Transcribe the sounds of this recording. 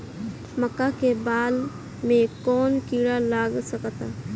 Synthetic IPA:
məkːakebaːl | mẽkɔːnkiːɽalaːɡsəkt̪a

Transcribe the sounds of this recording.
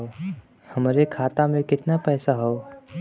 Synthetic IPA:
o | hɐmɾekʰaːt̪amẽkɪt̪napɛːsaɦoː

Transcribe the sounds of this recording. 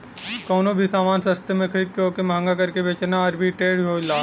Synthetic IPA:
kɔːnobʱisaːmaːnsə̃st̪emẽkʰəɾiːd̪̚koːkemãːŋɡakɐɾkebeːt͡ʃnaɐɾbʱiʈeːɽɦoːlaː

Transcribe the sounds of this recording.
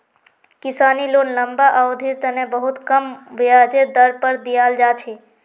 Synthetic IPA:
kisanilonləmbaʔəod̪ʱiɾt̪ənebəɦut̪kəmʋiad͡ʒeɾd̪əɾpəɾd̪ijald͡ʒat͡ʃʰɛ

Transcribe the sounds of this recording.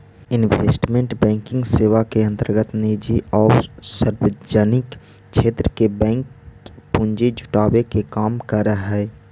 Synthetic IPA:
ɪnʋeːsʈmẽɳʈbɛ̃ːŋkɪ̃ŋɡseːʋakeə̃nt̪əɾɡət̪neːd͡ʒiʔɔːɾsəɾwed͡ʒanɪk | ʃʰeːt̪ɾəkebɛ̃ːŋkpʊ̃ɲd͡ʒed͡ʒʊ̥ʈaːwekekaːmkəɾəɦɛː

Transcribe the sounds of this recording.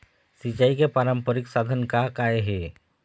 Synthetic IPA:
sit͡ɕaikepaɾəmpəɾiksad̪ʱənkakajɦe

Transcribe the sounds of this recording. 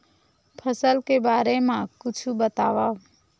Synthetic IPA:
pʰəsəlkebaːɾemãkʊt͡ʃʰubət̪aːʋa

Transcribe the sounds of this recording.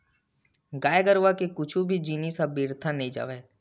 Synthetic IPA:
ɡaːjɡəɾʋakekʊt͡ʃʰubʱid͡ʒiːnisabiːɾt̪ʰanɐĩd͡ʒa̰ːʋeː

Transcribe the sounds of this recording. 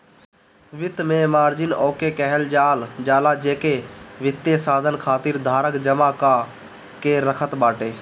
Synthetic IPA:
ʋɪt̪mẽːmaːɾd͡ʒɪnoːkeːkɛɦəld͡ʒaːld͡ʒaːlaːd͡ʒeːkeːʋɪt̪ːeːsaːd̪ʱənkʰaːt̪iːɾd̪ʱaːɾəkd͡ʒəmaːkaː | keːɾəkʰət̪ɓaːʈeː

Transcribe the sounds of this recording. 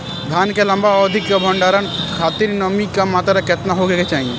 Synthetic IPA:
d̪ʱaːnkelɐ̃mbaɔd̪ʱɪkkabʱɔ̃ɳɖaːɾənkʰaːt̪iɾnɔmikamaːt̪ɾaket̪naɦoɡeket͡ʃaːɦĩe

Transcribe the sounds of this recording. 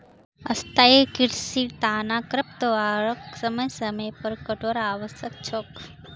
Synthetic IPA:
ɐ̰st̪aːekiɾsiɾt̪aːnaːkɾɐp̚t̪əʋaːɾəksɐməjsɐməjpɐɾkəʈoːɾaːʋəsjək̚t͡ʃʰoːk

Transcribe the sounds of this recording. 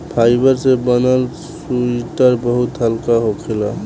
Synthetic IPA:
pʰajbəɾsebənəl | suiʈəɾbəɦut̪ɦəlkaɦokʰela

